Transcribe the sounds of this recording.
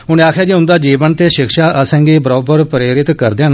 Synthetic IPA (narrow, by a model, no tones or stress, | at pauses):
ɦʊnẽaːkʰjaːd͡ʒiːɦʊ̃nd̪aːd͡ʒiːʋənt̪eːʃɪkʰʃaːʔəsɛ̃ːŋɡiːbəɾɔːbəɾpɾeːɾɪt̪kəɾd̪ẽːn